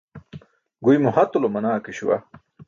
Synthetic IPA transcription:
ɡujmuhɐt̪ulomɐnaːkeɕuwa̰

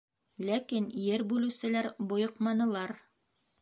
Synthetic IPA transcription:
lækinjɘɾbʉlɘ̆wsɘ̆læɾbŏjɤ̆qmɑnɤ̆lˠɑɾ

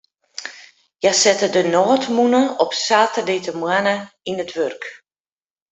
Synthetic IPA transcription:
jasɛtədənɔːtmunəɔpsaːtərdeːtəmwanəinətʋørk

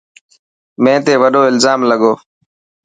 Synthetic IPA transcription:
mẽːt̪eːʋəɗoːɪlzaːmləɠoː

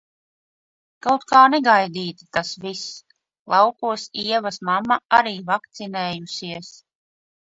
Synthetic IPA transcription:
kawt̪kaːnɛɡajd̪iːt̪i̥t̪asvis | lˠɑwkuɔsiɛvasmamːaaɾiːvak̚t̪sineːjusiɛs

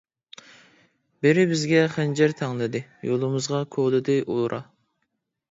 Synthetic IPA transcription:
bɪɾɪbɪzɡʲɛχænd͡ʒɛɾt̪ʰɑŋlˠɨd̪ɨjolˠɨmɨzʁɑkʰoʁlˠɨd̪ɨʔolˠɾʔɑ̰

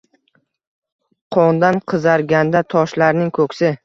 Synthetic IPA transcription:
qʰɒnd̪anqʰɨzaɾɡʲand̪at̪ʰɒʃlaɾnɪŋkʰɵkʲsɪ

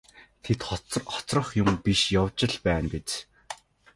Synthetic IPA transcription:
t̪ʰet̪χt͡sχɔ̥t͡srə̆χjʊmpiʃjawt͡ɕɪ̆ɮpæːnpet͡ɕ

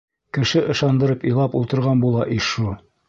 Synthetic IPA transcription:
kɘ̆ʃɘʔɤ̆ʃɑnd̪ɤ̆ɾɤpilˠɑpulˠt̪ɤ̆ɾʁɑnbulˠɑʔiʃu

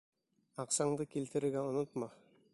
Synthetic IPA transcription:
ɑqsɑɴd̪ɤkilt̪ɘ̆ɾɘ̆ɾɡæonot̪mɑ

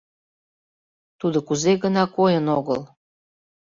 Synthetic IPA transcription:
t̪ud̪okuzeɣənɑkojənoɣəl

